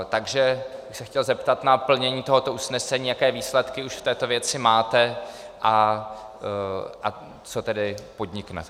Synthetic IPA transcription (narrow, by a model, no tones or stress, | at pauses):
t̪aɡʒɛbɪxsɛxcɛlzɛpt̪at̪napl̩ɲɛɲiːt̪o̞ɦo̞t̪o̞ʔusnɛsɛɲiːjakɛːviːslɛt̪kɪuʃft̪ɛːt̪o̞vjɛt͡sɪmaːt̪ɛ | ʔa | ʔa | t͡so̞t̪ɛdɪpo̞d̪ɲɪknɛ̰